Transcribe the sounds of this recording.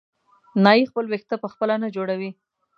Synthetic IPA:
nɑixpəlwext̪apəxpəlanad͡ʒoɽawi

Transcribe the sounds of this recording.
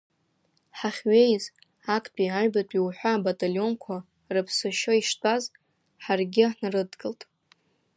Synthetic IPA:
ħaχʲɥejz | akʼpʼiaɥbatʼiwħʷᶣaːbatʼaljo̞nkʷʰa | rɨpʰsɨʃoiʂtʼaz | ħarɡʲɪnrɨdɡʼɨltʼ

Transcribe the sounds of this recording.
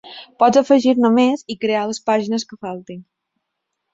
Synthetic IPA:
pɔd͡zəfəʒiɾnəmezikɾealəspaʒinəskəfalˠt̪in

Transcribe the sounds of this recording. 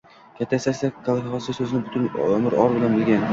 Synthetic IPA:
kʲʰat̪ʰːaesasd̪akʰalˠχɒsɪsɵzɪnɪbʊt̪ʊnɵmɪɾɒɾbɪlanbɪlɡʲan

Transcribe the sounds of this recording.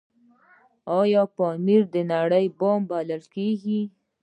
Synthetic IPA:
ɑjɑpɑmiɾd̪ənaɽəjbɑmbaləlkeɡi

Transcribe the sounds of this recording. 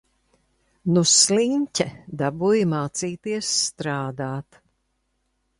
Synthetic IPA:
nusliɲcʲɛd̪abujmaːt̪siːt̪iɛsːt̪ɾaːd̪aːt̪

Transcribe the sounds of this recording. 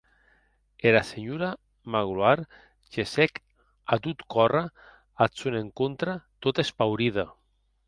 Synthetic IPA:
eɾaseɲuɾa | maɣluaɾ | ʒesɛk | at̪ut̪kɔra | asoneŋkont̪ɾat̪ot̪espawɾiða

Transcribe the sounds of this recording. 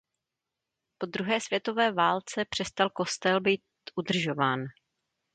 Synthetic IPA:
po̞d̪ɾuɦɛːsvjɛt̪o̞vɛːvaːlt͡sɛpr̝̥ɛst̪alko̞st̪ɛlbiːt̪ | ʔud̪r̩ʒo̞vaːn

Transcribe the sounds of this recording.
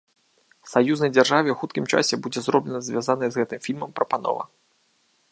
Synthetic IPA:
sajuznɐjd͡zʲarʐavʲɛwxut̪̚kʲimt͡ʂa̰sʲɛbud͡zʲɛzrɔblʲɛnɐzʲvʲjazanɨjɐzɣɛt̪ɨmfʲilʲmɐmpɾɐpanɔ̰vɐ̰

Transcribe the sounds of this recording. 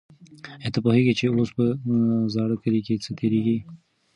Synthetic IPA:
et̪apoɦeɡit͡ʃeospəzɑɽəkəliket͡sət̪ʰeɾeɡi

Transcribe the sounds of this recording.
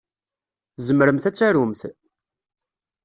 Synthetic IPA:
zəməɾəmθæt͡sːæɾumθ

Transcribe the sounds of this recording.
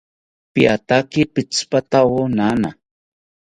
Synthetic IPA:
piat̪akipɪt͡spat̪awonana̰

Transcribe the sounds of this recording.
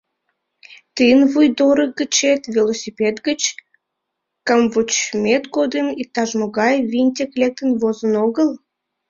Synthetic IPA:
t̪ɨnvujd̪oɾəɡət͡ɕet̪vʲelosʲipʲed̪ɡət͡ɕ | kɑmvut͡ɕmʲet̪ɡod̪əmit̪ːɑʒmoɣɑjvinʲt̪ʲeklʲek̚t̪ənvozənoɣəl

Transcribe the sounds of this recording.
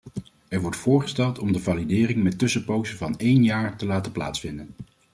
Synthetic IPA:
ɛɹʋɔɹtfʊːɹχə̥stɛlˠtɔmdəvaːlidɪːrɪŋmɛtɵsəpowzəvɑnejnjaːɹtəlaːtəpla̰ːtsfɪndən

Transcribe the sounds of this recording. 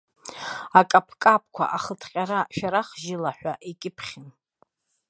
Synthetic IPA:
akʼapʰkʼapʰkʷʰa̰ʔaχətʰqʲʼaɾaʃᶣaɾaχʒɪlaħʷᶣaʔikʲʼɪpʰχʲim

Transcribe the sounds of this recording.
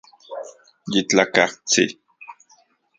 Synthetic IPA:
jit͡ɬakaht͡sḭ

